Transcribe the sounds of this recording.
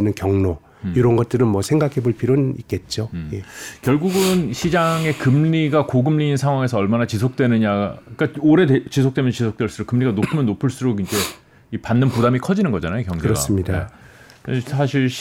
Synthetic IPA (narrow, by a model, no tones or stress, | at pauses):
nɯnkjʌŋno | iɾʌnɡʌt̚t͈ɯɾɯnmwʌsʰeŋɡakʰe̞boɭpʰiɾonik̚k͈e̞t̚t͡ɕ͈ojekjʌɭɡuɡɯnɕʰid͡ʑaŋe̞kɯmʎiɡakoɡɯmʎiːnsʰaŋwaŋe̞s̬ʰʌʌɭmanat͡ɕisʰok̚t͈wenɯɲaik͈aoɾe̞det͡ɕisʰok̚t͈emjʌt͡ɕisʰok̚t͈weɭs͈uɾokɯmʎiɡanopʰɯmjʌnːopʰɯɭs͈uɾoɡind͡ʑe̞ | ipanːɯnpudamikʰʌd͡ʑinɯnɡʌd͡ʑanajokjʌŋd͡ʑɯeɾʌas͈ɯmɲida | sʰaɕʰiɭ